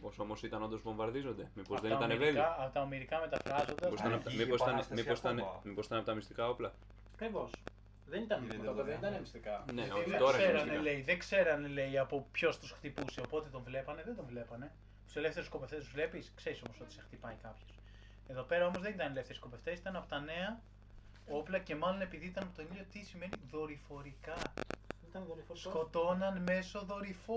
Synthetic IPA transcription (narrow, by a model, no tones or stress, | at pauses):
poso̞mosit̪ɐno̞nd̪ozvõ̞ɱvɐɾðizo̞nd̪e̞mipozzðeniɐt̪ɐnevekɐɐot̪ɐomiɾikɐme̞t̪ɐfɾɐzo̞nd̪ɐposɐnɐmiosit̪ɐnmiposit̪ɐnmiposi̥t̪ɐnɐpot̪ɐmist̪ikɐoplɐ | ɐkɾivos | ðenit̪ɐnet̪ɐnmist̪ikɐneot̪oɾɐseɾɐneleiðeɡse̞ɾɐnele̞jɐpo̞pço̞st̪usxt̪ipuseo̞po̞t̪e̞t̪o̞ɱvle̞pɐne̞ðend̪o̞ɱvle̞pɐne̞ | t̪u̥se̞le̞ft̪eɾusko̞pe̞ft̪est̪uzvle̞piskse̞ɾiso̞mo̞so̞t̪i̥sext̪ipɐikɐpço̥s | e̞ðo̞pe̞ɾɐo̞mozðe̞nit̪ɐnele̞ft̪e̞ɾisko̞pe̞ft̪esi̥t̪ɐnɐpo̞t̪ɐne̞ɐ | o̞plɐce̞mɐlo̞ne̞piðiit̪ɐnɐpot̪onilot̪isime̞niðo̞ɾifo̞ɾikɐit̪ɐnoɾifsko̞t̪o̞nɐnme̞so̞ðo̞ɾifo